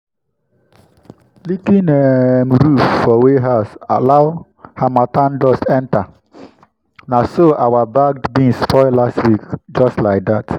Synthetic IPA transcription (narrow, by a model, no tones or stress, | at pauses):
likĩnɛmɾuffɔweɦasa̰laʊ | hamatãndɔstɛ̃nta | nasoʔawabaɡ̚dbĩnsfɔɪlastwikd͡ʒɔstlaɪk̚dat